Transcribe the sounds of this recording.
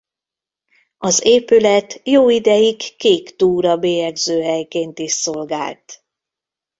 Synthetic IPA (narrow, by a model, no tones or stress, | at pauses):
ɒzeːpylɛt̪joːid̪ɛjikːeːkt̪uːɾɒbeːjɛɡzøːɦɛjkeːnt̪iʃso̞lɡa̰ːlt̪